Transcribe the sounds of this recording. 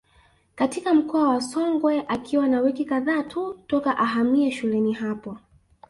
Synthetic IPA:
katikam̩kɔawasɔŋɡwɛʔakʰiwanawikikaðaːtʰutɔkaʔaɦamiɛʃulɛniɦapɔ

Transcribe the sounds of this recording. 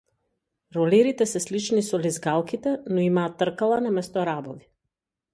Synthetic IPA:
ɾɔlɛɾit̪ɛsɛslit͡ʃnisɔlizɡalˠkit̪ɛnɔimaːt̪ːr̩kalˠanamɛst̪ɔɾabɔvi

